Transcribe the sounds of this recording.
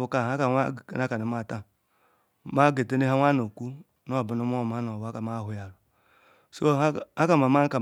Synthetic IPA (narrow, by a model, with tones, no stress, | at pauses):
u˨ka˨a˦ka˨a̰˦˨na˦ka˨ni˨ma˦˨ta˦ | ma˦ɡe˨te˦ne˦ɦa˦ŋʷa˦no˨kʷu˦ | n˦o˦˨bu˨nu˦m˦o˦˨m˨a˦n˨o˨wa˦ka˨ma˦ɦu˨ja˨lu˨ | so˦a˦ka˨ma˨ma˦ka˨